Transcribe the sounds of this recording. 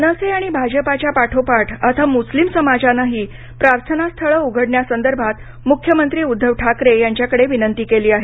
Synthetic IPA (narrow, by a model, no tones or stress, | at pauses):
nəseaɽ̃ibʱad͡ʑəpat͡ɕjapaʈʰopaʈʰat̪ʰamuslimsəmad͡zanaɦiː | pɾaɾt̪ʰənast̪ʰəɭəːuɡʱəɽɳjasənd̪əɾbʱat̪ | mukʰjəmənt̪ɾiːud̪ʱːəʋʈʰakɾejaɲt͡ɕjakəɽeʋinənt̪iːkeliːaɦe